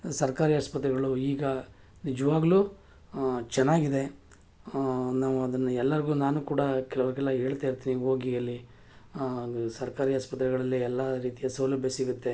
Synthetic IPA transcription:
sɐɾkaːɾiːaːspɐt̪ɾɛɡɐɭuiːɡɐ | nid͡ʒɐʋaːɡɐluː | t͡ʃɛnːaːɡid̪e̞ | naːʋuɐd̪ɐnːɐɛlːɐɾiɡuːnaːnuːkuːɽɐkɛlɐʋɐɾɡɛlːɐɦe̞ːɭt̪aːiɾt̪iːniɦo̞ːɡijɐlːi | sɐɾkaːɾiaːspɐt̪ɾɛɡɐɭɐlːiɛlːɐɾiːt̪ijɐsɐwlɐbʱjɐsiɡut̪ːe̞

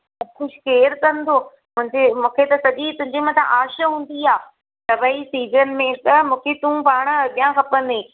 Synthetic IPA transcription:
xʊʃkeːɾkɐ̃nd̪oː | mʊ̃ɦɪ̃ɲd͡ʑemũːkʰet̪ɐsɐʄit̪ʊ̃ɦɪ̃ɲd͡ʑemɐ̃t̪ʰã̰ʔaːʃəɦũːn̆d̪iaː | t̪ɐʋaisiːzənɪ̆mẽkɐmũːkʰet̪ũpaːɽ̃ɐɠijãxʰɐpə̃nd̪ẽː

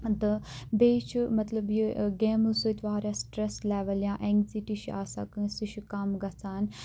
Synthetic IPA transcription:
d̪ɐbeːt͡ʃʰmɐt̪lɐbjiɡeːmusujt̪ʋaːɾjãːsʈɾeslɛːʋɐljãːʔeŋɡziʈiʃia̰ːsa̰ːkɨ̃siʃukaːmɡɐt͡saːn

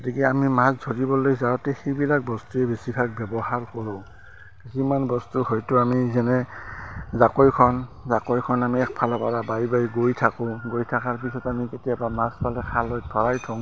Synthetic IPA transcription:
ɡotikɛamimasdʱoɹibɔlojzaɹɔtɛxejbilak̚bɔstuɛbesipʰak̚bɛbɔhaɹkɔɹɔ̃ | kisimanbɔstuhojtʊamizɛnɛ | zakojkʰɔnzakojkʰɔnamiɛk̚pʰalɔpaɹabajbajɡojtʰakʊ̃ɡojtʰakaɹp̬isɔtamiketijabamaspʰalɛkʰalɔj̚pʰɔɹajtʰɔŋ

